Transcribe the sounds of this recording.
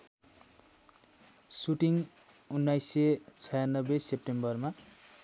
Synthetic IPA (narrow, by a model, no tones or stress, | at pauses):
suʈiŋ | unːajset͡sʰʌjanːʌbesepʈembʌrma